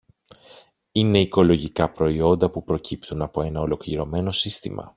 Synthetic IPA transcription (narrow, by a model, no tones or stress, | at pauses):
ine̞iko̞lo̞ʝikɐpɾo̞io̞nd̪ɐpupɾo̞cʰipt̪unɐpo̞e̞nɐo̞lo̞kliɾo̞me̞no̞sist̪imɐ̰